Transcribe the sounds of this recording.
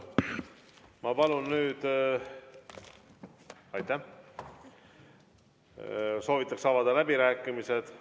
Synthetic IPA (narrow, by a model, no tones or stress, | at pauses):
mɑpɑlunːyːd̪̥ | ɑjt̪ːˑæh | so̞ːvit̪ːˑɑksɑvɑd̪ɑlæbiɾæːkːˑimise̞d̪̥